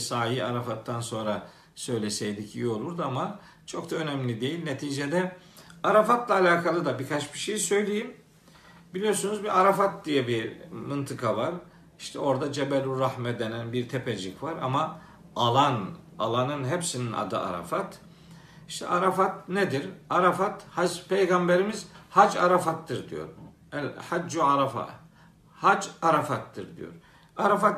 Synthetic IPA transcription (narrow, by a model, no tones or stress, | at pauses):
saːjiaɾafat̪ːanso̞nɾa | sø̞jlʲesɛjlʲiciolˠuɾd̪uama | t͡ʃʰo̞kd̪aø̞næmlʲid̪e̞jilʲnet̪ʰiːd͡ʒed̪ɛ | aɾafat̪lˠaːlʲaːkʰalˠɯd̪abikʰat͡ʃbiʃejisø̞jlʲejim | bilʲijo̞ɾsunuzbiʔaɾafat̪̚d̪ijɛbimɯnt̪ʰɯkʰavaɾ | iʃt̪ʰɛo̞ɾd̪ad͡ʒebɛlʲuɾahmɛd̪enænbiɾt̪ʰeped͡ʒikvaɾa̰ma | alˠan | alˠanɯnɦɛpsinina̰d̪ɯ̰a̰ɾa̰fat̪ | iʃt̪ʰɛ̰ʔaɾafat̪ned̪iɾaɾafat̪had͡ʒpʰejɡambeɾimiz̥had͡ʒa̰ɾafat̪ːɯɾd̪ḭjo̞̰ɾ | ælhad͡ʒd͡ʒuaɾafa̰ | had͡ʒaɾafat̪ːɯɾd̪ḭjo̰ɾ | aɾafat̪